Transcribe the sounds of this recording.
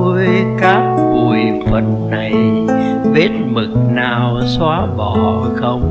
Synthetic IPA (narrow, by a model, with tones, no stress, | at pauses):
əə˨˦˨jjkaː˦˥k̚vu˨˩jfə̰˨˩˨nːa˨˩j | ve˦˥t̚mɨ˨˩k̚naː˨˩w | swaː˨˦ɓɔ˧˨˩ | xə˧wŋ͡m